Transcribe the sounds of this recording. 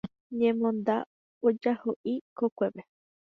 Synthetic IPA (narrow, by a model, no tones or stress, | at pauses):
ɲẽmõnd̪a | od͡ʒahoʔikokʷeβe